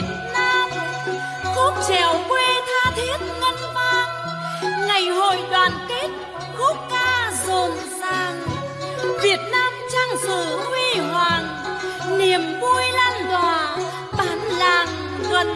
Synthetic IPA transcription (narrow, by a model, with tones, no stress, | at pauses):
naː˧m | ku˦˥k̚t͡ɕɛ˧˩wkwe˧t̪ʰaː˧t̪ʰi˦˥ət̚ŋə˧nmaː˧ŋ | ŋa˨˩jɦo̰˧˨jɗwaː˨˩nki˦˥t̚ | ku˦˥k̚kaː˧zo˨˩m | zaː˨˩ŋ | vi˨˩ət̚naː˧mt͡ɕaː˧ŋsɨ̰˧˩˥hwi˧ɦwaː˨˩n | ni˨˩əmvu˧əjlaː˧nt̪waː˨˩ | taː˨˩nla̰ː˧˨˩ŋ | ɣə˨˩n̚